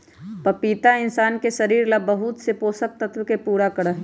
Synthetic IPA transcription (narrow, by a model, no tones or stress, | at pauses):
pɐpiːt̪aɪnsaːnkeʃɐɾiːɾlabɐɦʊt̪sepoːsək̚t̪ɐt̪wəkepuːɾakɐɽaɦɛ